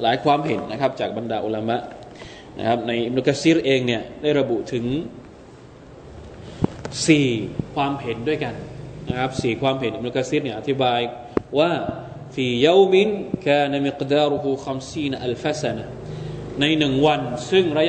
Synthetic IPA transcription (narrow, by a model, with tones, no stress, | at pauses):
laː˩˦jkʰwaː˧mɦe˨˩˦nːa˦˥kʰa˦˥p̚t͡ɕaː˨˩k̚ba˧ndaː˧ʔu˧la˧ma˦˥ʔ | na̰˦˥kʰa˦˥p̚na˧jʔi˦˩b̚nu˧ka˧siː˦˥ɾʔeː˧ŋni˥˩ɐdaː˥˩jɾa˧bu˨˩ʔt̪ʰɯ˩˦ŋ | siː˨˩kʰwaː˧mɦe˨˦ndu˥˩əjka˧nna˦˥kʰa˦˥p̚siː˨˩kʰwaː˧mhe˨˦nʔi˧b̚nuː˧ka˧siː˦˥ɾni˥˩ʔa˨t̪ʰi˦˥baː˧j | waː˥˩ | fiː˧˩ja˦˥wmi˦nkaː˥˩na˧mi˨qdaː˥˩ɾu˧ɦu˧xa˧msiː˥˩nʔa˧˨lfa˦sa˧na˨ | na˧jnɯ˨˩ŋwa˧nsɯ˥˩ŋɾa˦˥